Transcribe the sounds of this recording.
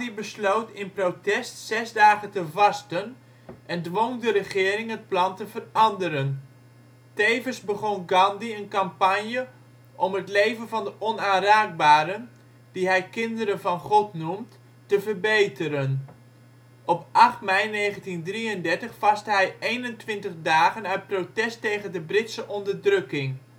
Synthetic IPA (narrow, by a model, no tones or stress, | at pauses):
ibəslowtɪnprowtɛstsɛzdaːχətəvɑstən | ʔɛndʋoŋdərəχɪːɾɪŋɦət̚plɑntəvərɑndəɾən | tejvənsbəχɔnɡɑndiənkɑmpanjə | ʔɔmɦətlejvənvɑndəʔɔnaːnraːɡ̚baːɾən | d̥iɦɛjkɪndəɾənvɑnχɔtnumt | təvərbejtəɾən | ʔɔpʔɑχtmɛjneːχəntindriəndɛɹtəχfɑstəɦɛjejnəntʋɪntəχdaːχənœɥt̚protɛstejɣəndəbrɪtsəʔɔndərdrøkɪŋ